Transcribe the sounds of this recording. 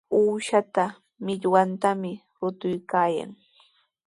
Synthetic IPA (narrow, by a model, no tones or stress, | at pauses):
uːʃat̪a | mɪʎwant̪amɪ | ɾʊt̪ʊjkaːja̰ŋ